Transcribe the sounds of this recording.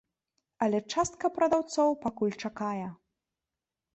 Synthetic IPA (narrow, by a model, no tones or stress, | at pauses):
ɐlʲɛt͡ʂast̪̚kɐpɾɐd̪awt̪sɔwpakulʲt͡ʂakajɛ